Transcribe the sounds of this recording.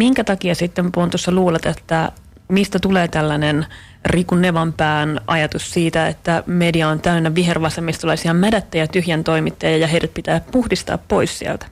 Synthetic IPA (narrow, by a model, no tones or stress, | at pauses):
miŋkæt̪ɑkiɑsit̪ːempont̪osːɑluːlɑt̪et̪ːæ | mist̪æt̪uleːt̪ælːænen | rikunːeʋɑmpæːnʔɑjɑt̪ussiːt̪æet̪ːæmediɑont̪æynːæʋiɦerʋɑsemːist̪ulɑisiɑmædæt̪ːæjɑt̪yhjænt̪o̞jmit̪ːɑjɑjɑɦejɾæt̪̚pit̪æːppuhdist̪ɑ̰ːppo̞issiæ̰lt̪æ̥